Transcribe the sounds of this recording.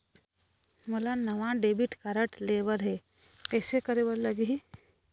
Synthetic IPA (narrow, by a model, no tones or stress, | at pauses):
məlanəʋãɖebiʈkaɾəʈleʋəɾɦɛ | kɛːsekəɾeʋəɾləɡiɦi